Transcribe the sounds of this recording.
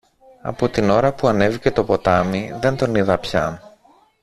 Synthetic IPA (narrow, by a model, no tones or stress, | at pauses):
ɐ̰po̞t̪ino̞ɾɐpuɐne̞vice̞t̪o̞po̞t̪ɐmiðe̞nt̪o̞niðɐpçɐ